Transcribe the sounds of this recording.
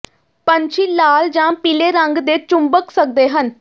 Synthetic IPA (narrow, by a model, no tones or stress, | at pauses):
pəɲt͡ʃʰiːlaːld͡ʒãːpiːleːɾəŋɡd̪eːt͡ʃʊmbəksək̚d̪eːɦən